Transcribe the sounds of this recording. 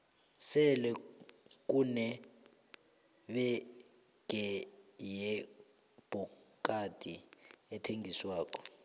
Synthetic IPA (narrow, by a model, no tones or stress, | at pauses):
sɛlɛk̬ʼunɛ | ɓɛ | ɡ̥ʱɛjɛ | b̥ʱɔkʼad̥ʱiɛtʰeŋɡʱiswaːk̬ʼɔ̥